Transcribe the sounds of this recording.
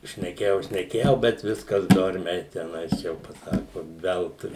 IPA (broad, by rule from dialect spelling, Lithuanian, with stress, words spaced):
ʃʲnʲɛˈkʲeːjɛʊ ʃʲnʲɛˈkʲeːjɛʊ bʲɛt ˈʋʲɪskɐs ˈdoːrʲmʲɛɪ tʲɛˈnɐɪs ˈjɛʊ pɐˈsɑːkʊ ˈʋʲɛlˠtʊɪ